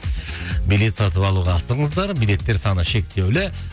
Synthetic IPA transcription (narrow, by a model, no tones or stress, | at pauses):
bijle̞t̪sɑt̪əpɑlˠuʁɑːsəəɴəzd̪ɑɾbijle̞t̪ːe̞ɾsɑnəʃe̞k̚t̪e̞wlɪ